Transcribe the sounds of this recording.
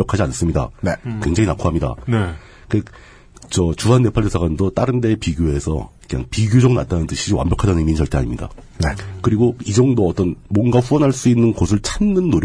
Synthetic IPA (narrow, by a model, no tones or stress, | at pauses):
jʌkʰad͡ʑianas͈ɯmɲida̰nkwe̞ŋd͡ʑaŋinakʰoɦamɲida̰ | kɯe | t͡ɕʌt͡ɕuɦanːe̞pʰaɭdʰesʰaɣandot͈aɾɯnde̞piɡjoe̞sʰʌ̰kɯɲa̰ŋpiɡjod͡ʑʌŋnat͈anɯnd͡ʑɯɕʰid͡ʑiwa̰mbjʌkʰadanimint͡ɕʌɭt͈ea̰ɲḭmɲida̰ | nekɯɾiɡoid͡ʑʌŋdoʌt͈ʌnmwʌnɡaɸuʌnɦaɭs͈uinːɯnɡosʰɯɭt͡ɕʰanːɯnːoɾ